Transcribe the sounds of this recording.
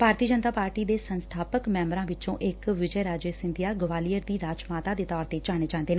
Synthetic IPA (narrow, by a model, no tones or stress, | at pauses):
b̥ʱaːɾt̪iːəd͡ʒənt̪aːpaːɾʈiːd̪eːsənst̪ʰaːpəkmɛ̃ːmɾãːʋɪt͡ʃõːʔɪkʋɪd͡ʒəːɾaːd͡ʒeːsɪnd̪ɪjaːɡəʋaːliːəɾd̪iːɾaːd͡ʒmaːt̪aːd̪eːt̪ɔːɾt̪eːt͡ʃaːneːd͡ʒãːnd̪eːnː